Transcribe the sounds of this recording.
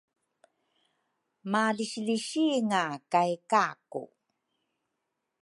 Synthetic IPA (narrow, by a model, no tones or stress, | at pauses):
maliɕliɕiŋakajkakṵ